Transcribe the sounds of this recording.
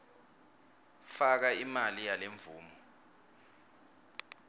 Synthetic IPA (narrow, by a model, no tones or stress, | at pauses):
fak̬aimalijaleɱvuːmɔ